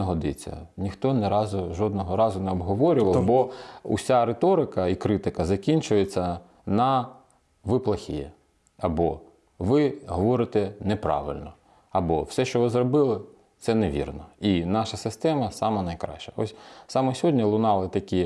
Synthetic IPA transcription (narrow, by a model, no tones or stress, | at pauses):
ɐɦɔd̪ɪt͡sʲːɐ̰nʲixt̪ɔnɛɾɑzʊʒɔd̪nɔɦɔɾɑzʊnɛɔbɦɔʋɔɾʲʊʋɐlˠbɔʊ̰sʲaɾet̪ɔɾɪkɐikɾɪt̪ɪkɐzɐkʲinʲt͡ʃʊjet͡sʲːɐ | nɐ | ʋɪplˠɐxʲḭjɛ | ɐbɔ | ʋɪɦɔʋɔɾɪt̪ɛnɛpɾɑ̰ʋɪ̰lʲnɔ | ɐbɔwsɛʃt͡ʃɔʋɪzrɔbɪlˠɪ | t̪sɛneʋʲḭrnɔinɑʃɐsɪst̪ɛmɐsɑmɐnɐjkɾɑ̰ʃt͡ʃɐɔsʲsɑmɔsʲɔɦɔdʲnʲilˠʊnɑlˠɪt̪ɐkʲi